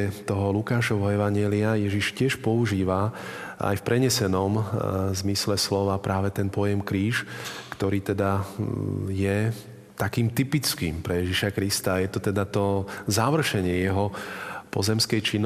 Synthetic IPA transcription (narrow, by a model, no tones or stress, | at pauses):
ɛt̪ɔɦɔlukaːʃɔʋɔɛʋaɲɪɛliajɛʒiʃcɪɛʃpɔuʒiːʋaa̰jfpɾʔɛɲɛsɛnɔmzmislɛslɔʋapɾaːʋɛt̪ɛnpɔjɛmkɾiːʃkt̪ɔɾiːt̪ɛd̪a | jɛ | t̪akiːmt̪ipit͡skḭːmpɾɛjɛʒiʃakɾist̪ajɛt̪ɔt̪ɛd̪at̪ɔzaʋr̩ʃɛɲɪɛjɛɦɔpɔzɛmskɛjt͡ʃinː